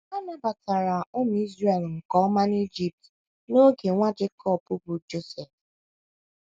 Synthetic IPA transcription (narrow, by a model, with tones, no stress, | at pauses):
a˦na˦ba˨ta˨ɾa˨ʊ˦m˨i˦zɾe˨lŋ̩˨kɔ˨ɔ˦ma˦ni˦d͡ʒi˨p̚t | no˦ɡe˨ŋʷa˦d͡ʒɪ˦kʰɔ˦˨bʊ˦bʊ˨d͡ʒo˦sɛ˨f